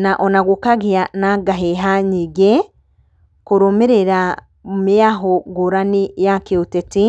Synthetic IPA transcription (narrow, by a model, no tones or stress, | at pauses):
naʔonaɡukaɡianaɡaɦeɦaɲiɡe | kuɾomiɾeɾa | miaɦoɡoɾanijakioteti